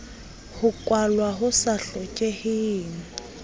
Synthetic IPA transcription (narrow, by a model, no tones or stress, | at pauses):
hʊkʼwalwaɦʊsaɬɔt͡ʃʼehɪŋ̩